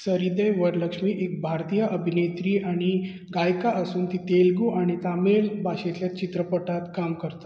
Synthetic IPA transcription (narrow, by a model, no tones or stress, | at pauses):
səɾid̪əjʋəɾləkʂmiːʔek̚bʱaɾt̪ijəʔəbʱinet̪ɾiːʔaɽ̃i | ɡajkaʔəsuːnt̪it̪elɡuʔaɽ̃it̪ameɭbʱaɕetjat͡ɕit̪ɾəpəʈat̪kamkəɾt̪o̥